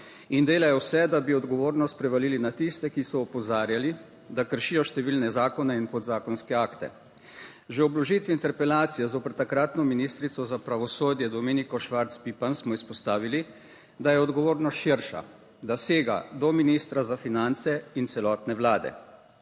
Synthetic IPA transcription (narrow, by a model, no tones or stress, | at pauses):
ind̪eːlajɔwsɛd̪abiɔd̪ɡɔʋoːɾnɔst̪pɾɛʋaliːlinat̪ist̪ɛkisɔːpɔzaːɾjali | d̪akəɾʃiːjɔʃt̪ɛʋiːlnɛzaːkɔnɛinpɔd̪zaːkɔnskɛaːkt̪ɛ̰ | ʒɛɔblɔʒit̪ʋint̪ɛɾpɛlaːt̪sijɛzoːpəɾt̪akɾat̪nɔminist̪ɾit̪sɔzapɾaʋɔsoːd̪jɛd̪ɔmeːnikɔʃʋaɾt̪spipansmɔispɔst̪aːʋili | d̪ajɛɔd̪ɡɔʋoːɾnɔsʃiɾʃa̰ | d̪aseːɡa̰d̪ɔminist̪ɾazafinant̪sɛint̪sɛlɔːt̪nɛʋlaːd̪ɛ̰